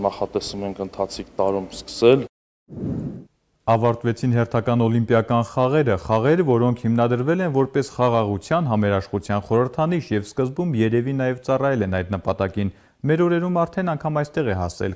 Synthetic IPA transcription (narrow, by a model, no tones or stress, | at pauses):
nɑχɑt̪ɛsumɛŋkʰənt̪ʰɑt͡sʰikt̪ɑɾumskə̥sɛl | ɑvɑɾt̪vɛt͡sʰinɦɛrt̪ʰɑkɑnɔlimpjɑkɑnχɑʁɛɾəχɑʁɛɾvɔɾɔŋkʰhimnɑd̪əɾvɛlɛnvɔɾpɛsχɑʁɑʁut͡sʰjɑnɦɑmɛɾɑʃχut͡sʰjɑnχɔɾəɾt̪ʰɑniʃjɛvskəzbumjɛɾɛvinɑjɛvt͡sɑrɑjɛlɛnɑjd̪nəpɑt̪ɑkin | mɛɾɔɾɛɾumɑɾt̪ʰɛnɑŋkʰɑmɑjst̪ɛʁɛɦɑsɛ̰l